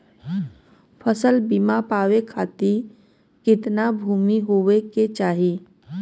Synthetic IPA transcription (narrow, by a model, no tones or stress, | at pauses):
pʰəsəlbimapaːwekʰaːt̪i | kɪt̪nabʱuːmiɦoʋeket͡ʃaːɦiː